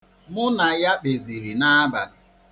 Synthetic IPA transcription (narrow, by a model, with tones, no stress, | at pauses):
mʊ˦na˨ja˦k͡pe˨zi˨ɾi˨na˦a˦ba̰˨lʊ˨